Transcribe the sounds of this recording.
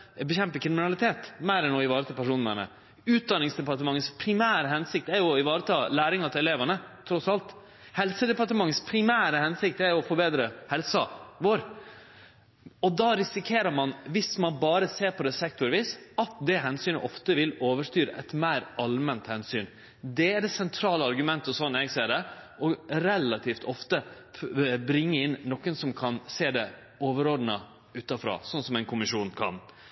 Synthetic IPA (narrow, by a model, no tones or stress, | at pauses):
bəçɛmpəkʰɾɪmɪnɑlɪt̪ʰeːt̪mæɪɾɛnɔɪʋɑːɾət̪ʰɑlpæʂuːnəmɛ̰nə̰ | ʉːt̪̚d̪ɑnɪŋsd̪ɛpɑɾʈ̪əmɑŋːənspʰɾɪmæːɾəɦɛnsɪk̚t̪æɾjʊɪʋɑːɾət̪ʰɑːlæːɾɪŋɑt̪ʰɪɛleːʋənət̪ʰɾɔsɑlt̪ | hɛlsəd̪ɛpɑɾʈəmɑŋːənspʰɾɪmæːɾəhɛnsɪk̚t̪æɾjʊɔfɔɾbeːd̪ɾəhɛlsɑʋoːɾ | ɔd̪ɑːɾɪsɪkʰeːɾəɾmɑnʋɪsmɑnbɑːɾəseːɾpʰɔd̪ɛsɛk̚t̪ʊɾʋiːsɑt̪d̪ɛɦɛnsyːnəʔɔft̪əʋɪloːʋəʂt̪yːɾəʔɛ̰t̪mæɪɾʔɑlmɛnt̪hɛnsyːn | d̪ɛæɖ̪ɛsɛnt̪ʰɾɑːləɑɾɡʉmɛnt̪əɔsɔnːɛɡseːɖ̪ɛʔɔɾɛlːɑt̪ʰiːft̪ʰɔft̪ə | bɾɪŋːəɪnːɔkːənsɔmkʰɑnseːd̪ɛ | oːʋəɾod̪nə | ʉːt̪ɑfɾɑ̰ːsɔnsɔmɛɪnkʰʊmɪʂuːnkʰɑ̰n